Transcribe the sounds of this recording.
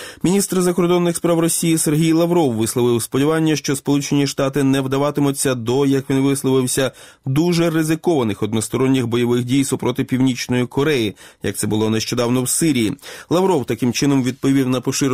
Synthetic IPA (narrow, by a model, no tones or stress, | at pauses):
mʲinʲist̪rzɐkɔɾd̪ɔnːɪxspɾɑwrɔsʲijiserɦʲijlˠɐʋɾɔwːɪslˠɔʋɪwspɔdʲiʋɑnʲːɐʃt͡ʃɔspɔlˠut͡ʃenʲiʃt̪ɑt̪ɪnɛwd̪ɐʋɑt̪ɪmɔt͡sʲːɐd̪ɔjɐkʋʲinʋɪslˠɔʋɪwsʲɐ | d̪uʒɛrɪzɪkɔʋɐnɪxɔd̪nɔst̪ɔɾɔnʲːɪxbɔjɔʋɪxdʲijsɔpɾɔt̪ɪpʲiwnʲit͡ʃnɔjikɔɾɛjijɐ̰kt̪sɛbʊlˠɔneʃt͡ʃɔd̪ɑwnɔwsɪɾʲijilˠɐʋɾɔwt̪ɐkɪmt͡ʃɪn̪ɔmʋʲid̪̚pɔʋʲiwnɐpɔʃɪɾ